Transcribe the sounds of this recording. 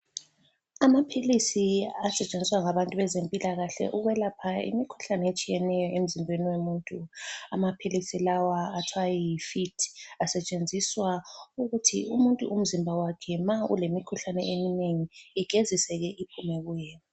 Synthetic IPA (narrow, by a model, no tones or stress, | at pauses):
amapʰilisiasɛt͡ʃʼend͡zʱiswaŋaβantʼuβɛzempʼilaɣaɬɛ̰ʔuɣwɛlapʰaḭmikʰu̥ɬanɛet͡ʃʼijɛnɛjɔʔem̩zimbʱweniwemuːntʼuamapʰilisilawaːtʰwajɛjifitʰasɛt͡ʃʼend͡zʱiswauɣutʰiumuntʼuʔum̩zimbʱawakʰɛmaṵlemikʰuɬanɛʔemineŋiːɡ̥ʱezisɛɣɛʔipʰumɛɣujɛa